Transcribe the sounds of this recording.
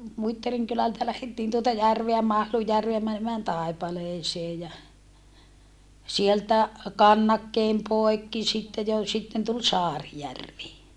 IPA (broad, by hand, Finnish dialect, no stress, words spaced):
muitːɑriŋ kylæltæ læhetːiːn tuotɑ jærʋeæ mɑhlujːærʋeæ mænemæːn tɑˑipɑleːseː jɑ sieltæ kɑnːɑkːeːm poekːi sitːe jo sitːen tul sɑːrijærʋi